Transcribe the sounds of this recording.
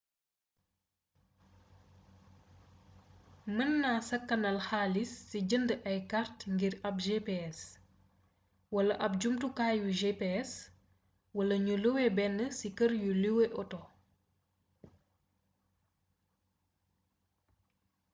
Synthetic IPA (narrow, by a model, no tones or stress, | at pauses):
mənːaːsɐkːɐnɐlxaːlisːiɟəndəʔɐjkaɾtŋɡiɾɐpʒepeɛs | wɐlɐʔɐp̚d͡ʒumtukaːjuʒepeɛs | wɐlɐɲuluwɛbɛnːəsikəɾjuliweʔɔtɔ